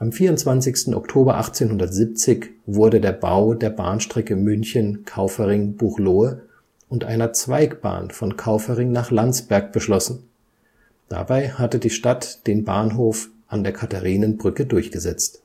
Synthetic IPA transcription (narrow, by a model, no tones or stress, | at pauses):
ʔamfiːɐʊntt͡sv̥ant͡sɪçstn̩ʔɔ̰ktʰoːbɐʔa̰χt͡seːnhɦʊndɐtz̥ip̚t͡sɪçvʊɐdədeːɐba̰ʊdeːɐba̰ːnʃtʁ̥ɛkəmʏnçənkʰaʊfəʁɪŋb̥uʁloːə | ʔʊntʔa̰ɪnɐt͡sv̥aɪkb̥a̰ːnfɔnkʰaʊfəʁɪŋnaːχlant͡sb̥ɛɐk̚b̥əʃlɔsn̩ | d̥a̰baɪhatədiːʃtatd̥eːnba̰ːnɦoːf | ʔandeːɐkʰataʁiːnənbʁʏkədʊɐçɡ̥əzɛt͡st